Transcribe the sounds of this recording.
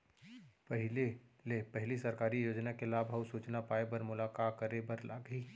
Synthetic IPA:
pɐɦɪlelepɐɦɪlisɐɾkaːɾijoːd͡ʒnakelaːbʱausuːt͡ʃnapaːebɐɾmʊlaːkaːkəɾebɐɾla̰ːɡɦiː

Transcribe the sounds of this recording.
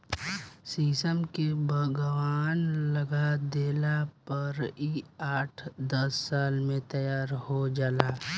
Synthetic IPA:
siːsəmkebʱəɡəwaːnlɐɡad̪eːlapɐɾiaːʈʰd̪əsːaːlmẽt̪ɐjaːɾɦod͡ʒaːlaː

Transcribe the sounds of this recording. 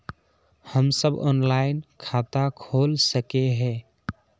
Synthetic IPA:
həmsəbɔ̰ːnlaɪnkʰat̪akʰolsəkeɦɛ̃

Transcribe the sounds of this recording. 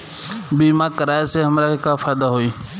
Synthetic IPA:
biːmãːkəɾaːeseɦəmɾaekãfʰaːd̪aɦoiː

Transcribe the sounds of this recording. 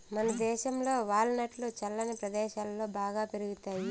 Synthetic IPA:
mɐnɐd̪ɛːʃɐmlo̞ːʋaːɭːɐnɐʈlut͡ʃɐlːɐnipɾɐd̪ɛːʃaːlːo̞ːbaːɡaːpeɾuɡut̪aːji

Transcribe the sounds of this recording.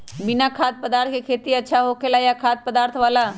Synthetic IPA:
bɪnakʰaːt̪̚pəd̪aːɾt̪̚ʰkekʰeːt̪iɐtːʃʰaɦoːkʰelajakʰaːt̪̚pəd̪aːɾt̪ʰʋaːla

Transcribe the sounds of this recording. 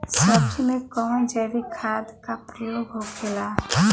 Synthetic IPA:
səb̚d͡ʒimẽkɔ̃ːd͡ʒɛʋikʰaːd̪kapɾəjoːɡɦokʰela

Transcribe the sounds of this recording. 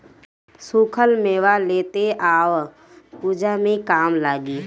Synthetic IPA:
suːkʰəlmeːʋaleːt̪eʔaːʋ | puːd͡ʒamẽkaːmlaːɡiː

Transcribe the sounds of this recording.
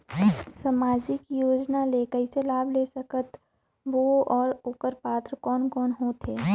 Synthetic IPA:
sɐmaːd͡ʒikijoːd͡ʒnalekəɪselaːbʱleːsɐkət̪ | ʋoɔːɾokəɾpaːt̪ɾəkɔːnkɔːnɦot̪ʰeː

